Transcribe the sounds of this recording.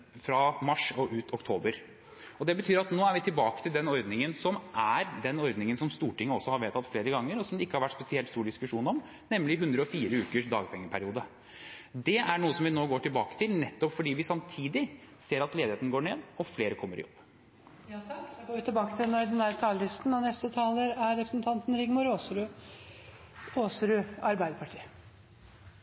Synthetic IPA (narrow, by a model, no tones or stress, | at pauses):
fɾɑmɑʂɔʔʉːt̪ʰɔkt̪ʰoːbəɾ | ɔd̪ɛbət̪ʰyːɾɑt̪noːæɾʋɪt̪ʰɪlbɑːkə̥t̪ʰɪld̪ɛnɔɾd̪nɪŋənsɔmʔæɾd̪ɛnɔɾd̪nɪŋənsɔmst̪uːʈɪŋːəɔsːɔhɑɾʋeːt̪ʰɑt̪ːfleːɾəɡɑŋːəɾɔsɔmd̪ɛɪkːəhɑɾʋæʈːspɛsɪɛlt̪st̪uːɖɪskʉʂuːnɔm | nɛmːlɪɦʉnd̪ɾəɔfiːɾəʉːkəʂd̪ɑ̰ːɡpʰɛŋːəpʰæɾɪuːd̪ə | d̪ɛʔæɳuːəsɔmʋɪnoːɡoːʈɪlbɑːkə̥t̪ʰɪlnɛt̪ːɔpfɔɖiːʋɪsɑmt̪ʰiːd̪ɪseːɾɑt̪leːd̪ɪheːt̪n̩ɡoːɳeːd̪ɔfleːɾəkʰɔmːəɾɪ̰jɔ̰b̥ː | ɡoːʋɪt̪ɪbɑːkət̪ʰɪlnoːɪd̪ɛnæɾt̪ʰɑːləlɪst̪n̩ɑʋnɛst̪ət̪ʰɑːləɾæɾɾɛpɾəsn̩t̪ʰɑnt̪n̩ɾɪɡmʊɾoːsɾʉ | oːsɾʉːɑɾbæɪd̪əpʰɑʈʰiː